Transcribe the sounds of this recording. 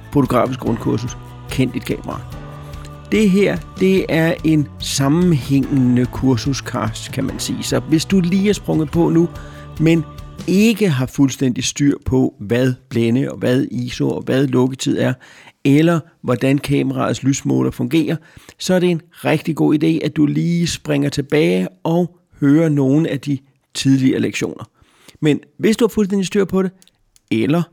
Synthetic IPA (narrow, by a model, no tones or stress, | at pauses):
fot͡sʰo̝ɡ̥ʁɑ̰̈ːfisɡ̥ʁɔ̽nkʰuɐsus | kʰen̰d̥id̥̚kʰɛ̰ːməʁɑ̈ | d̥e̝ɦeɐ̰d̥e̝æɐʔe̝nsɑ̈mn̩heŋ̰nəkʰuɐsuskʰɑsd̥kʰæmænsḭːsɒ̽ʋe̝sd̥uliːæɐsb̥ʁɔ̽ŋð̩ˠpʰɒ̽nu | mene̝ɡ̥əɦɑ̈fulsd̥en̰d̥isd̥yɐ̰pʰɒ̽ʋæð̞ˠb̥lenəɒ̽ʋæð̞ˠḭːsoɒ̽ʋæð̞ˠlɔ̽ɡ̥ət͡sʰið̞̰ˠæɐelɐ | ʋɒd̥ænkʰɛːməʁɑ̈ð̩ˠslysmɔ̰ːlɐfɔ̽ŋɡ̥e̝̰ːɐsɒ̽æɐɾ̥e̝enʁeɡ̥̚d̥iɡ̥o̝̰ːid̥e̝̰ːʔæd̥uliːsb̥ʁeŋɐt͡sʰe̝b̥ɛːɪʔɒ̽ʊ | høːɐno̝ːn̩æd̥i | t͡sʰið̞ˠliɐːleɡ̥ɕo̝̰ːnɐ | menʋe̝sd̥uhɑ̈fulsden̰disd̥yɐ̰pʰɒ̽ɾ̥e | elɐ